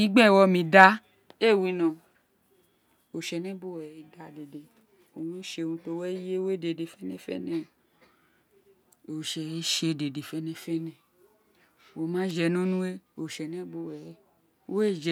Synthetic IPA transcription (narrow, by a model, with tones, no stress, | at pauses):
i˦ɡ͡bɛ˦˨wɔ˧mĩ˨da˦ | e˦˨wi˧˦nã˨ | o˨ʃɛ˨nɛ̃˦bo˦wɛ˨i˨˦da˨˦de˨de˨ | o˨wũ˦ʃe˧nũ˧to˧wɛ˦e˦wo˦e˦˨de˨de˨fɛ˦nɛ̃˦fɛ̰˦nɛ̃˦˨ | o˨ʃɛ˨i˦ʃe˧˨de˨de˨fɛ˦nɛ̃˧˦fɛ˦nɛ̃˨ | wo˨mã˦d͡ʒɛ˧nũ˦nũ˦e˦o˨ʃɛ˨nɛ̃˦bo˧˦wɛ˨˦ | wo˦e˦˨d͡ʒɛ˨